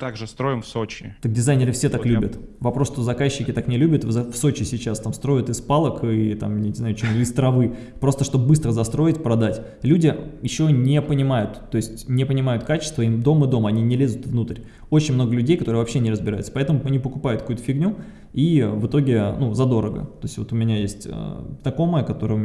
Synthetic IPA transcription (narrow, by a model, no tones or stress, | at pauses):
t̪aɡʐɨst̪ɾo̞jɪmfsot͡ɕɪ̰t̪ək̚dʲɪzajnʲɪɾɨfsʲet̪aklʲubʲət̪vɐpɾosʂt̪o̞zɐkaɕːɪkʲɪt̪aknʲɪlʲubʲət̪zfso̞t͡ɕɪsʲɪt͡ɕast̪amst̪ɾo̞jɪt̪ɨspalˠəkɨt̪a̰mʲnʲɪznajʊt͡ɕemɪst̪ɾɐvɨ | pɾo̞st̪əʂt̪obbɨst̪ɾəzɐst̪ɾo̞ɪtʲpɾɐd̪atʲ | lʲudʲɪjɪɕːo̞nʲɪpənʲɪmajʊt̪ːo̞jɪsʲtʲnʲɪpənʲɪmajʊt̪kat͡ɕɪ̥st̪vəimd̪o̞mɨd̪o̞mɐnʲinʲɪlʲezʲʊt̪vnut̪ɾʲ | o̞t͡ɕɪnʲmno̞ɡəlʲʉdʲejkɐt̪o̞ɾɨəvɐpɕːenʲɪrəzbʲɪɾa̰jʊt̪sə̥pɐɛt̪əmʊɐnʲipəkʊpajʊt̪kɐkut̪ə̥fʲɪɡnʲu | ivɨt̪o̞ɡʲɪnuzɐd̪o̞ɾəɡə̰t̪o̞jɪsʲtʲvo̞t̪ʊmʲɪnʲajesʲtʲə̰znɐko̞məjəkɐt̪o̞ɾəjəʊm